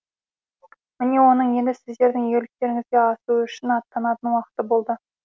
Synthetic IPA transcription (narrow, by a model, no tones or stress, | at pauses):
mɪne̞wo̞nəɴje̞nd̪ɪsɪzd̪e̞ɾd̪ɪŋjeɡlɪk̚t̪e̞ɾɪŋɪzɡʲe̞ɑsuʏʃɪnɑt̪ːɑnɑt̪ənwɑqə̥t̪əbo̞lˠd̪ə